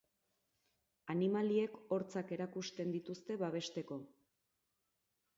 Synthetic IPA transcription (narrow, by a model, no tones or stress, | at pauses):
animalie̞ko̞ɾt͡sake̞ɾakust̪e̞nd̪it̪ust̪e̞βaβ̞e̞ʃt̪e̞ko̞